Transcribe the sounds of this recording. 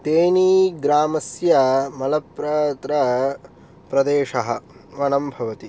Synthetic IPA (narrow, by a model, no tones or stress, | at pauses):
t̪eːniːɡɾaːmɐsjɐmɐlɐpɾɐt̪ɾɐ | pɾɐd̪eːʃɐɦɐ̆ʋɐnɐmbʱɐʋɐt̪i